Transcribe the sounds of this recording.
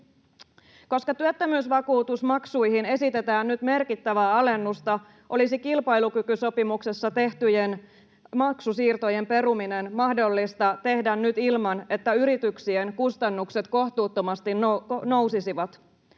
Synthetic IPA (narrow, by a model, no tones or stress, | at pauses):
ko̞skɑt̪yøt̪ːømyːsʋɑkuːt̪usmɑksujɦine̞sit̪e̞t̪æːnnyt̪me̞rkit̪ːæʋæːɑle̞nːust̪ɑ | ʔo̞lisikilpɑjlukykyso̞pimukse̞sːɑt̪e̞ht̪yjen | mɑksusiːrt̪o̞je̞mpe̞ɾuminenmɑhdo̞lːist̪ɑt̪e̞hdænnyt̪ilmɑne̞t̪ːæyɾit̪yksienkust̪ɑnːukset̪ko̞ht̪uːt̪ːo̞mɑst̪inono̞wsisiʋɑt̪